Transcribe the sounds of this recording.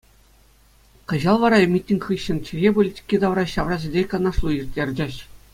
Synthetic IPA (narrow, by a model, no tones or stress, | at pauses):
kɤ̆ʑɑlˠʋɑɾɑmʲitʲːinʲχɯɕːɘ̆nt͡ɕʰɘ̆ɣʲepolʲitʲi̥kʲːid̪ɑʋrɑɕɑʋrɑʑʲɘdʲekɑnɑʂlˠujirʲtʲːerʲd͡ʑĕɕ